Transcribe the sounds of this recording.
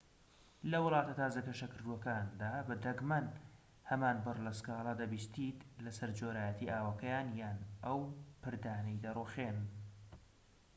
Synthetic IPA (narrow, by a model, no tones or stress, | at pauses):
lɐwɨlˠɑːt̪ɐt̪ʰaːzɐkɐʃɐkɨɾd̪uwɐkaːnd̪aːbɐd̪ɐɡmɐn | hɐmaːnbɨrlɐskɑːlˠɑd̪ɐbiːst̪iːt̪lɐsɐɾd͡ʒoːɾaːjɛt̪ʰiʔaːwɐkɐjaːnjaːnɐwpɨɾd̪aːnɐjd̪ɐruxeːn